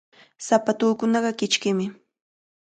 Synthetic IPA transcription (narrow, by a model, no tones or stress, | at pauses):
sapat̪ʊːkʊnɑɢɑkɪt͡ʃkɪmɪ